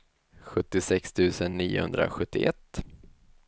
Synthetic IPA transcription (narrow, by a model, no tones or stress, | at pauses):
ɧɵt̪ːɪsɛkst̪ʰʉ̟ːsənːiːʊ̰hɵ̰nd̪ɾa̰ɧɵt̪ːɪʔɛt̪ː